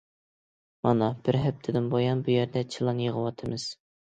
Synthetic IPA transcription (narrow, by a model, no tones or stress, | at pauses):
mɑnɑb̥ɪɾɦɛp̚t̪ʰɪd̪ɪnbojɑnbujɛɾd̪ɛt͡ʃʰilˠɑnjəʁəwɑt̪ʰɨmɨz̥